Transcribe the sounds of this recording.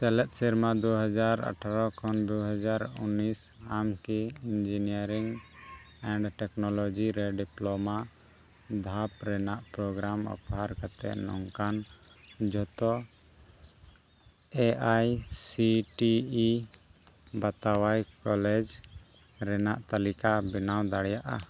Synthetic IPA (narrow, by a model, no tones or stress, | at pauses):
sɛlɛt̪̚ˀsiɾmad̪uɦad͡ʒaɾa̰ʈʰaɾɔkʰɔnd̪uɦad͡ʒaɾṵnisamkiind͡ʒinijaɾiŋ | ɛɳɖʈɛknɔlɔd͡ʒiɾɛɖiplɔma | d̪ʱapɾɛnaʔpɾɔɡɾamɔ̰phaɾkat̪ɛ̰ʔnɔ̰ŋkan | d͡ʒʱɔt̪ɔ | ɛʔajsiʈiː | bat̪awajkɔlɛd͡ʒ | ɾɛna̰ʔt̪alikabinawd̪aɽjaʔa̰